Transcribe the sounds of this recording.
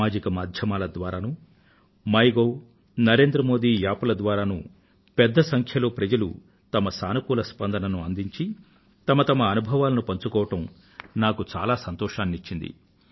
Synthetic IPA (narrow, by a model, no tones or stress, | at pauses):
aːd͡ʒikɐmaːd̪ʱjɐmaːlɐd̪ʋaːɾaːnu | mɐjɡoː | nɐɾe̞ːnd̪ɾɐmoːd̪iːjaːpɐlɐd̪ʋaːɾaːnu | pɛd̪ːɐsɐŋkʰjɐlo̞ːpɾɐd͡ʒɐlṵ | t̪ɐmɐsaːnɐkuːlɐspɐnd̪ɐnɐnuɐnd̪iɲt͡ʃi | t̪ɐmɐt̪ɐmɐːnubʱɐʋaːlɐnupɐɲt͡ʃukɔːʋɐʈɐm | naːkut͡ʃaːlaːsɐnt̪ɔːʃaːnːit͡ʃːind̪ḭ